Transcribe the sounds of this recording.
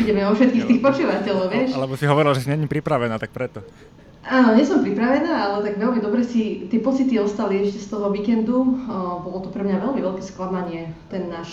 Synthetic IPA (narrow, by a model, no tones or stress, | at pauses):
iɟɛmɛɔfʃɛt̪̚kiːxt̪iːxpɔt͡ʃuʋacɛʎɔʊʋɪɛʃalɛbɔsiɦɔʋɔɾilʒɛsiɲɛɲipɾipɾaʋɛnaːt̪ak̚pɾɛt̪ɔ | ʔaːnɔɲɛsɔmpɾipɾaʋɛnaːalɛt̪aɡʋɛlmid̪ɔbɾɛsit̪ɪɛpɔt͡sit̪iɔst̪aliɛʃcɛst̪ɔɦɔʋiːkɛnd̪ubɔlɔt̪upɾɛmɲaʋɛlmiʋɛʎkɛsklamaɲɪɛt̪ɛnːaːʃ